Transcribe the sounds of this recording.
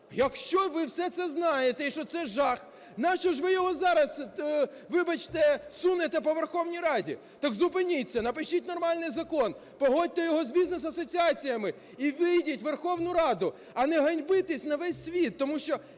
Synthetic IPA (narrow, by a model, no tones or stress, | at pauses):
jɐkʃt͡ʃɔʋɪwsɛt̪sɛznɑjet̪ɛiʃt͡ʃɔt̪sɛʒɑx | nɑt͡ʃɔʒʋɪjɔɦɔzɑɾɐs | ʋɪbɐt͡ʃt̪ɛsunet̪ɛp̬ɔʋerxɔwnʲijɾɑdʲḭ | t̪ɐkzʊpɪnʲit͡sʲːɐnɐpɪʃitʲnɔrmɑlʲnɪjzɐkɔn | pɔɦɔt̚ʲt̪ɛjɔɦɔzbʲiznesɐsɔt͡sʲiɑt͡sʲijɐmɪ | iʋɪjdʲitʲʋerxɔwnʊɾɑd̪ʊ | ɐnɛɦɐnʲbɪt̪ɪsʲnɐʋɛsʲːʋʲit̪ːɔmuʃt͡ʃɔ